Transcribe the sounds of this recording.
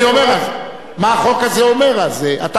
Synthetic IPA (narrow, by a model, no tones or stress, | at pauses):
iomeʁaz | maːχo̞kazeome̞ʁalzeʔat̪a